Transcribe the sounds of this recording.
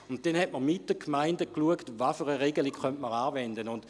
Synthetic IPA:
ʊnt̚dɛnhɛt̚məʁmit̚d̥əkʰmaɪndəkluəktvafəʁəʁeɡəlikχœntməʁaːvɛndənʊnd̥

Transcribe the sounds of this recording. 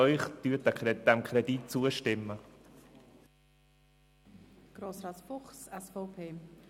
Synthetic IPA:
œʏχd̥yːt̚ɛd̥ɛmkʰɾɛdit̚t͡suəʃtɪmːə | ɡ̥ɾoːsɾaːtfʊχsɛsfɔʊpʰeː

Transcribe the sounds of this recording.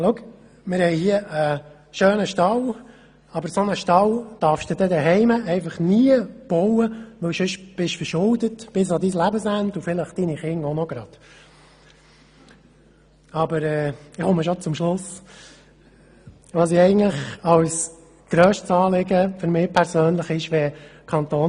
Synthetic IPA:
luk | mɪɾhɛɪhiəʔə | ʃøːnəʃtɑw | ɑbəɾsonəʃtɑwd̥ɑɾfʃd̥edɛdɛɦɛɪməʔɛɪfɑχniːəb̥ɔwəʋɵwʃʏʃb̥ɪʃfəɾʃʊldətb̥ɪs̬ɑd̪islæbəsændufɪləχd̥iniχɪŋɔnɔɡ̥ɾɑd̪̥ | ɑbəɾɛːɪχɔməʃɔt͡sʊmʃlʊs | ʋɑsɪɛɪɡən̩tləχɑws | ɡ̥ɾœːʃtsɑːlɪɡəfʏɾmɪːpʰæɾsøːnləχɪʃʋɛkʰɑnt̪oː

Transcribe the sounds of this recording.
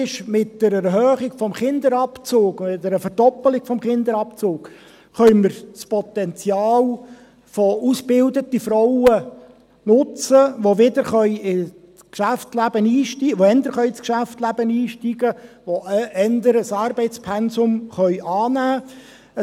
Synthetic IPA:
ɪʃmɪtd̥əɾɛɾɦœːχiɡfɔmχɪnd̪əɾɑpt͡soːktdəɾəfəɾdɔpːəlɪɡ̥fɔmχɪnd̪əɾɑpt͡soːk | χœɥmɪɾspɔt̪ɛnt͡sjɑːl | fɔusbɪldət̪ifɾɔwə | nʊt͡səʋoʋɪd̪əɾχœʏɪ | t͡skʃæft͡slæb̥əniːʃtiʋoɛnd̪əɾχœʏskʃæftlæb̥əniːʃtiɡəʋoɛnd̪əɾəsɑːɾbɛɪtt͡spʰɛnsʊmχœʏʔɑːnæː

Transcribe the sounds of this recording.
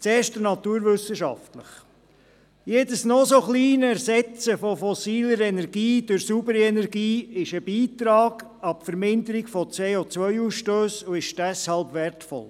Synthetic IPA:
t͡seːʃtənɑt̪uːɾʋʏsəʃɑ̰ftləχ | jeːdəsnɔsoχliːnəæɾzɛt͡səfɔfɔsiːləɾɛnɛɾɡiːd̥ʊɾsubəɾɛnɛɾɡiːɪʃəbiːtɾɑːɡ̥ | ɑpfəɾmɪndəɾiɡ̥fɔt͡seːot͡sʋœʏuːsʃtøːsuɪʃd̥ɛshɑlbʋɛɾtfɔ̰l

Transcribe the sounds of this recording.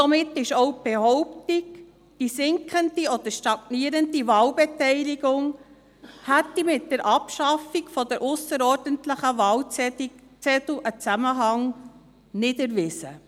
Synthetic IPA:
sɔmɪtːɪʃowb̥ehɔʊptiɡ | d̥isɪŋkχəndiɔd̥̪əʃtɑɡ̥niəɾəndivɑːlbɛtɛɪlɪɡʊŋ | hætːimɪt̚d̥əɾʔɑpʃɑfiɡfɔd̥əɾʔʊsəɾɔːɾdəntləχəvɑl | t͡sɛtlʔət͡sæməɦɑŋ | nɪdəɾvɪsə̰

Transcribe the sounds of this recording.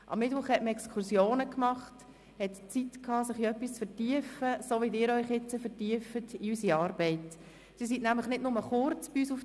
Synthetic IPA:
ʔɑ̰mːɪtvʊχhɛtməɛkskʰʊsjoːnəkmɑχt | hɛtt͡sitkʰɑːsɪχiœpːist͡sfəɾtiəfəsoːʋidɪːɾœʏχɪt͡səfətiəfətiysiɑːɾbɛɪt | sɪːsitnæmləχnɪdnʊməχʊrt͡sb̥iyːs̬uf

